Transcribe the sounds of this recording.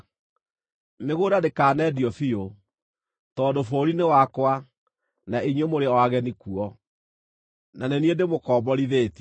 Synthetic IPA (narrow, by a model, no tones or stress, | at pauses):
meɣodadekaːnɛdiɔfio | tɔːdofoɾinewakwa | naiɲwemoɾeɔaɣɛnikuɔ | naneniendemokɔːbɔɾiðeːt